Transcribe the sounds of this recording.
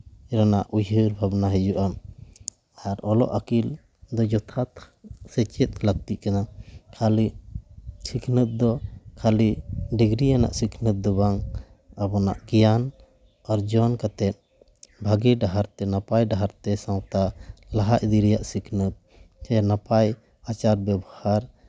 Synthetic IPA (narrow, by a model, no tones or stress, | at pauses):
ɾanaʔujɦəɾbʱabnaɦɛd͡ʒuʔam | aɾɔlɔ̰ʔakil | d̪ɔd͡ʒɔt̪ʰat̪ | sɛt͡ʃɛt̪̚laɡ̚t̪iʔ̚kanakʰali | sikʰnət̪̚d̪ɔkʰaliɖiɡɾijana̰ʔsikʰnət̪̚d̪ɔbaŋ | abɔna̰ʔkijan | aɾd͡ʒɔnkat̪ɛt̪̚ˀ | bʱaɡiɖaɦaɾt̪ɛnapajɖaɦaɾt̪ɛsãwt̪alaɦaʔd̪iɾɛjaʔsikʰnət̪̚ | kajanapaj | at͡ʃaɾbjɛbɔhaɾ